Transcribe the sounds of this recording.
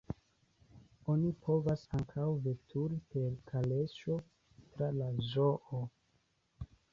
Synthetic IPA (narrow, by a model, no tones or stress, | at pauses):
o̞nipʰo̞vasaŋkʰawve̞tʰuɾipe̞ɾkʰale̞ʃo̞ | tɾalazoʔo